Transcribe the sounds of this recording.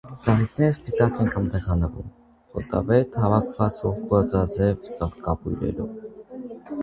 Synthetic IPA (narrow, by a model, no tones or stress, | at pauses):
d͡zɑʁit̪̚ʰnɛɾəspit̪ɑkɛnkʰɑmd̪ɛʁɑnəvṵm | χʰɔ̰t̪ɑ̰vɛt̪hɑvɑkʰvɑt͡sɔχkuɑt͡sɑd͡zɛvt͡səʁkɑpujɾɛ̰ɾɔv